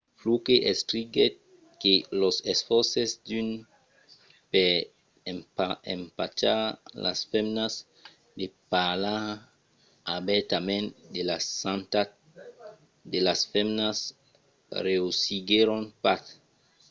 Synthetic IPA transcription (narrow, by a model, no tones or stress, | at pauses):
flukeʔestɾiɡet̪̚ | kelosesfɔɾsesd̪yn | pe | mpaḛ̃mpat͡ʃala̰sfemnas | d̪epala | abɛt̪amẽnd̪elasãnt̪at | d̪elasfemnas | reusiɡeɾonpaθ